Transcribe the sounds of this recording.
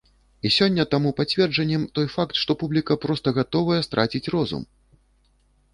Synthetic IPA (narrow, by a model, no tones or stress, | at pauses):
isʲɔnʲːɐt̪amupat͡sʲvʲɛrd͡ʐɐnʲːɛmt̪ɔjfakt̪ʂt̪ɔpublʲikɐpɾɔst̪ɐɣat̪ɔvɐjɛst̪ɾʔat͡sʲit͡sʲrɔzṵm